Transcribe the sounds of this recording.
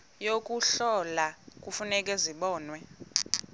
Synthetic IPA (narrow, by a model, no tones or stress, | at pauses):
jok̬ʼuɬɔlak̬ʼufunɛk̬ʼɛziɓɔːnwɛ